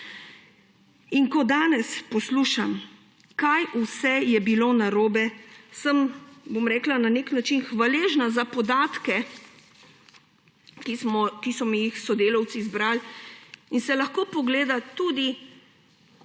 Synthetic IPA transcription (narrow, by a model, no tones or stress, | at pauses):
iŋkɔd̪aːnɛspɔsluːʃam | kajusɛjɛbiloːnaɾoːbɛsəmbomɾɛːklananeknat͡ʃinxʋaleːʒnazapɔd̪aːt̪kɛ | kmɔkisɔmijixsɔd̪eːlaw̪sizbɾal | insɛlɐxkoːpɔɡleːd̪at̪ud̪i